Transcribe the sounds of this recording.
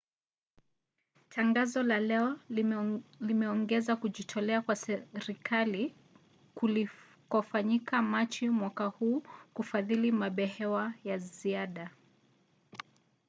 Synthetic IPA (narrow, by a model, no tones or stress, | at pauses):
tʰaŋɡazɔlalɛɔ | limɛɔŋɡɛzakuʄitʰɔlɛakwasɛɾikali | kɔfaɲikamat͡ʃimwakahuːkufaðilimaɓɛhɛwajaziaɗa